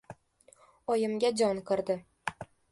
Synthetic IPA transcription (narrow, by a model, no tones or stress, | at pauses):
ɒjɪmɡʲad͡ʒɒŋkʰɨɾd̪ɪ